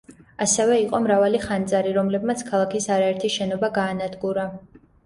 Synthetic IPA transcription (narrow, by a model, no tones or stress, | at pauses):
asɛvɛiqʼɔmɾavaliχant̪sʼaɾiɾɔmlɛbmat̪sʰkʰalˠakʰisaɾaɛɾt̪ʰiʃɛnɔbaɡaːnad̪ɡuɾa